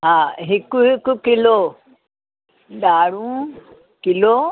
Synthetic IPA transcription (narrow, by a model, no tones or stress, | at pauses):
ɦaːɦɪkʊɦɪkʊkɪlo | ɗaːɽũː | kɪlo